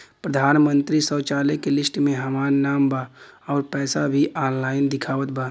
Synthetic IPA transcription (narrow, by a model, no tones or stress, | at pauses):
pɾəd̪ʱaːnmə̃nt̪ɾisəːt͡ʃaːlekelɪsʈmẽɦɐmaːnnaːmba | ɔːɾpɛːsabʱiʔɔːnlaːɪnd̪ɪkʰaːʋət̪baː